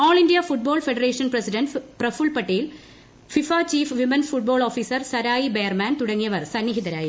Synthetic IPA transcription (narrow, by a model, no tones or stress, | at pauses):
oːɭindijafuʈ̚boːɭfeɖɐreːʂɐnpresiɖɐnɖprɐfuːɭpɐʈːejil | fifaːt͡ɕiːfʋimɐnfuʈ̚boːɭoːfiːsɐrsɐɾaːjibejɐrmaːnt̪uɽɐŋːijɐʋɐrsɐnːiɦid̪ɐɾaːji